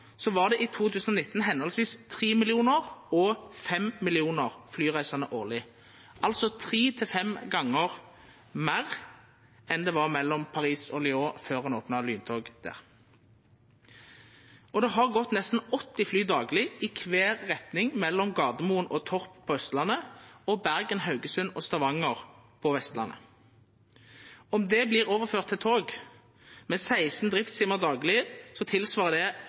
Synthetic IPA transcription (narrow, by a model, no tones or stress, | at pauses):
sɔʋɑːʁd̪ɛʔɪt̪ʰuːt̪ʉːsn̩ɔnɪt̪ːn̩ɦɛnɔlsʋiːst̪ʰʁiːmɪlɪuːnəʁɔfɛmmɪlɪuːnəʁflyːʁæɪsɑnəʔoːʁlɪ | ʔɑlt̪sɔt̪ʰʁiːt̪ʰɪlfɛmɡɑŋːəʁ | mæʁ | ɛnd̪ɛʋɑʁmɛlːɔmpʰɑʁiːsɔlɪoːføːʁhɑnoːpnɑlyːnt̪ʰoːɡd̪̥æ̰ːʁ | ɔd̪ɛɦɑʁɡɔt̪nɛst̪n̩ɔt̪ːɪflyːd̪ɑːɡlɪɪkʰʋeːʁːɛt̪nɪŋmɛlːɔmɡɑːʁd̪əmuːnʔot̪ʰɔʁppʰːɔːœst̪lɑnəɔbæʁɡənɦɑʉɡəsʉnɔːst̪ɑʋɑŋəʁpʰɔʋɛst̪lɑ̰nʔə̰ | ɔmd̪ɛbliːʁoːʋəføːʁt̪ʰːɪlt̪ʰoːɡ | mɛnsæɪsn̩d̪ʁɪft̪siːməʁd̪ɑːɡlɪəsɔt̪ʰɪlsʋɑːʁəd̪ɛ